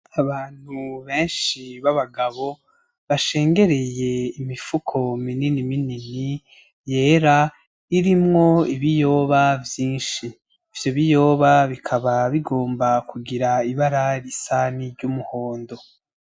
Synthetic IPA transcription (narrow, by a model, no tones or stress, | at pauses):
aβaːn̥huβe̞ːnʃiβaβaɡaβo̞ | βaʃe̞ːŋɡe̞ɾe̞je̞imifukʰo̞mininiminini | je̞ːɾa | iɾimŋo̞iβijo̞ːβavjiːnʃiː | v̥joβijo̞ːβaβikʰaβaβiɡo̞ːmbakʰuɡiɾaiβaɾaɾisaniɾɟumuho̞ːndo̞